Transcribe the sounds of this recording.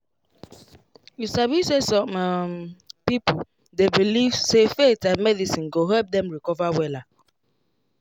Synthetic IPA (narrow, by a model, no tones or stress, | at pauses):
jusabisesɔ̃mmpipo | debilivsefetãmɛdisĩnɡoɦɛlp̚dɛ̃mɹikɔvawɛla